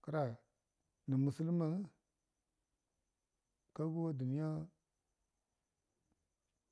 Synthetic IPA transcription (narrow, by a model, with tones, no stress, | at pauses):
kə˦ɾa˨ | ni˨mu˨si˦lma˨ŋ˦ | ka˦ɡu˦wa˦du˨ni˦ja˦